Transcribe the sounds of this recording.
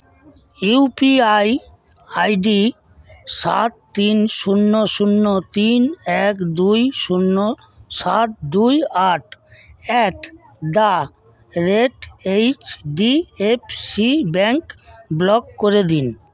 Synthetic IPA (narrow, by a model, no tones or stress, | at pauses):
upiaj | ajɖi | ʃa̰t̪̚t̪inʃunːoʃunːot̪inɛkd̪ujʃunːo | ʃat̪d̪ujaʈɛʈd̪a | ɾeɖejt͡ɕɖiep̚sibɛŋk | blɔkːoɾed̪in